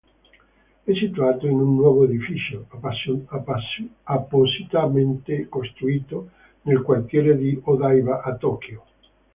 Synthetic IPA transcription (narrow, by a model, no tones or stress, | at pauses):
ɛsit̪uaːt̪oinunːwɔːvoed̪ifit͡ʃo | apːosit̪ament̪ekost̪ɾuiːt̪o | nelkwart̪jɛːɾed̪iod̪ajvaʔat̪ɔk̟jo